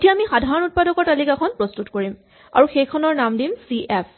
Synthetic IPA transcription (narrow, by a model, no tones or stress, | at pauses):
etijaːmixadʱaɹɔnut̚padɔkɔɹtalikakʰɔnpɹɔstutkoɹim | a̰ɹuxejkʰɔnɔɹnamdimsiʔɛpʰ